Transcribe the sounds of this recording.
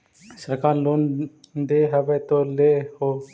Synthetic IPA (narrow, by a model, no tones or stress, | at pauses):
səɾkaːɾloːnd̪eːɦəʋeːt̪oːleːhoː